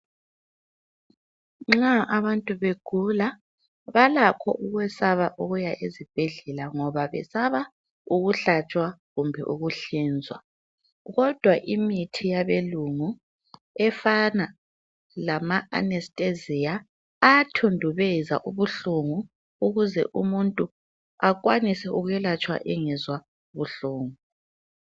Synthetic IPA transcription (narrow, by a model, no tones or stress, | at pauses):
ŋ͡ǁaʔaβantʼuβeɡ̥ʱula | βalakʰɔ̰ʔuɣwɛsaβaʔuɣujaʔezib̥ʱeɮɛlaŋɔβaβɛ̰saβa | uɣuɬat͡ʃʼwaɣumbʱɛ̰ʔuɣuɬiːnd͡zʱwa̰ | ɣɔd̥ʱwaʔimitʰijaβeluŋu | ɛfana | lamaa̰nɛstʼezijaː | tʰondʱuβɛza̰ʔuβuɬuŋu | uɣuzɛ̰ʔumuntʼu | ak̬wanisɛʔuɣujɛlat͡ʃʼwa̰ʔɛŋɛzwa | βuɬuːŋu